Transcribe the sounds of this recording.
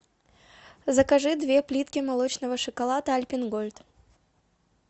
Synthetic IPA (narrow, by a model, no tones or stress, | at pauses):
zəkɐʐɨd̪vʲe̞plʲit̪kʲɪmalˠot͡ɕnəvəʂɨkalˠat̪əɐlʲpʲɪnɡolʲt̪